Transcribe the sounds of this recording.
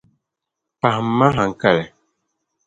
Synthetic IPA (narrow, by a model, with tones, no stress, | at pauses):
pa˨ma˦ɦa˨ŋ̩˨ka˦˨lɛ˨